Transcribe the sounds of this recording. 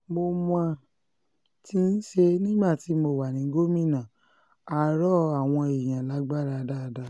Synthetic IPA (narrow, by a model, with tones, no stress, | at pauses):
mo˧mã˧ | ti˧˦n̩˦ʃe˧nĩ˦ɡ͡ba˦˨ti˨˦mo˧˨wa˨nĩ˨˦ɡo˦mĩ˦˨nã˨ | a˨ɾɔ˦a˦˨w̃ɔ̃˧e˨j̃ã˨la˨˦ɡ͡ba˦ɾa˧da˦˧da˧˦